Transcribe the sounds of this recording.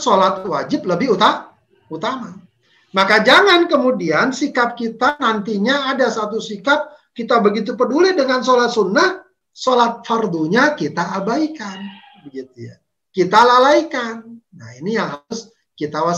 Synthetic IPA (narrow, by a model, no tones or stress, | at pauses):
solat̪̚wad͡ʒɪp̚ləbɪɦut̪a | ut̪ama | makad͡ʒaŋankəmudiansikap̚kit̪anant̪iɲaːdasat̪usikap̚kit̪abəɡit̪̬upədulidəŋansolat̪̚sunːah | solat̪̚farduɲakit̪aʔːbaikan | bəɡit̪uja̰ | kit̪alalaikanːa̰hinijaŋɦaʊs | kit̪awa